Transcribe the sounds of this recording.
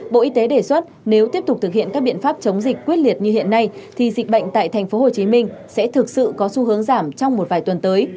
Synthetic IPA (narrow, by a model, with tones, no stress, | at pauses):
ɓo̰˧˨ʔi˧t̪e˨˦ɗe˧˩swə˦˥t̚ne˨˦wt̪i˦˥əp̚t̪ʊ˨˩k͡p̚t̪ɨ˨˩k̚hḭ˧˨ənkaː˦˥k̚ɓḭ˧˨nfaː˦˥p̚t͡ɕə˨˦wŋ͡mzï˨˩k̟̚kːwi˦˥ət̚li˨˩ət̚ɲɨ˧ɦḭ˧˨ənːa˧jt̪ʰi˨˩zi˨˩k̟̚ɓə̰˧˨jŋ̟t̪a̰ː˧˨jt̪ʰɛ˨˩ŋ̟fo˨˦ɦo˨˩t͡ɕi˨˦mï˧ŋ̟sɛ̰˧˥t̪ʰɨ˨˩k̚sɨ̰˧˨kɔ˨˦su˧ɦɨ˨˦əŋzaː˧˩mt͡ɕɔ˧wŋ͡mmo˨˩t̚vaː˨˩jt̪wə˨˩nt̪əː˨˦j